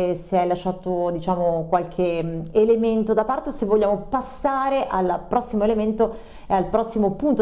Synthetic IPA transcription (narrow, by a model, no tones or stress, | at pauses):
seajlaʃːaːt̪od̪it͡ʃaːmokwalkʰeelement̪od̪apart̪osevːoʎːaːmopasːaːɾeʔalpɾɔsːimoelement̪o | ealpɾɔsːimopunt̪o